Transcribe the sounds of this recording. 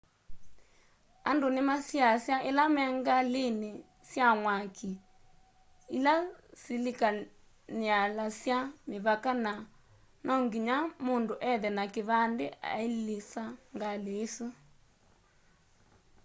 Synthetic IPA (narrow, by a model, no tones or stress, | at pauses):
andonemasiasjaʔelamɛŋɡalene | sjamwakʰi | ilasilika | nealasjameβakana | nɔŋɡiɲamondoʔɛðɛnakeβandea̰ilesaŋɡaleːso